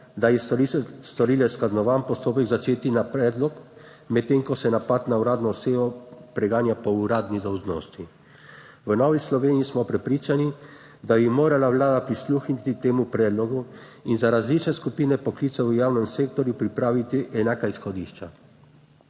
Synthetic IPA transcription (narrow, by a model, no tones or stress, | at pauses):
d̪ajɛst̪ɔɾiːlɛsklaznɔʋanpɔst̪oːpɛɡzat͡ʃeːt̪inapɾɛːd̪lɔk | mɛtt̪ːeːŋkɔsɛnapat̪nauɾaːd̪nɔseːʋɔpɾɛɡaːnjapɔuɾaːd̪nid̪ɔwʒno̰ːst̪i | ʋənɔʋislɔʋeːniismɔpɾɛpɾiːt͡ʃani | d̪abimoːɾalaʋlaːd̪apɾisluːxnit̪it̪eːmupɾɛːd̪lɔɡu | inzaɾazliːt͡ʃnɛskupiːnɛpɔkliːt̪sɛʋəjaːwnɛmseːkt̪ɔɾjupɾipɾaːʋit̪iʔɛnaːkaisxɔd̪iːʃt͡ʃa